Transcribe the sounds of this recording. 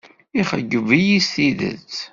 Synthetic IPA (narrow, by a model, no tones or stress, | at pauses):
iχə̰ɡːəvijisθiðə̰t͡s